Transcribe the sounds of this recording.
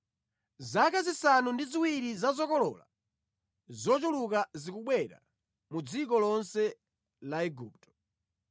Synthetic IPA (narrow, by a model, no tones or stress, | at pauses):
zakazisanundiziwiɾizazɔkɔlɔ̰ːla̰ | zɔt͡ʃulukazikuɓwɛɾa̰ | mud͡zikɔlɔnsɛ | laɛɡṵːp̚tɔ̥